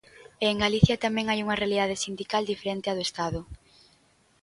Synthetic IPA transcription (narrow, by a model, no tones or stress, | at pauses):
eːŋɡaliθjɐt̪amɛ̃ŋajuŋɐrealiðað̞ɪsind̪ikald̪ifeɾent̪ɪaðʊest̪aðʊ